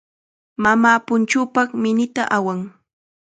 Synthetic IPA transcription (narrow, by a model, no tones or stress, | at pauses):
mamaːpʊnt͡ʃʊːpɑχmɪnɪt̪a̰ʔawaŋ